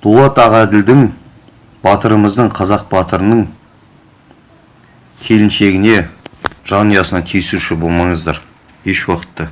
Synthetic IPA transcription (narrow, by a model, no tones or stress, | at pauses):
d̪̥ulˠɑt̪ɑʁæd̪ɪld̪ɪŋ | bɑt̪əɾəməzd̪əɴqʰɑzɑq̚bɑt̪əɾənəɴ | kʲʰe̞lɪnʃe̞ɡʲɪne̞ʒ̥ɑnijɑsənɑt̪ʰijɪsuʃɪbo̞lˠmɑɴəzd̪ɑɾ | e̞ʃwoqə̥t̪ːə